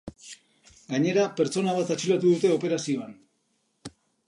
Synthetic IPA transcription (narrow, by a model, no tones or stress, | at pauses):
ɡaɲe̞ɾape̞ɾt͡ʃo̞naβ̞at̪at͡ʃilat̪uðut̪e̞o̞pe̞ɾasio̞an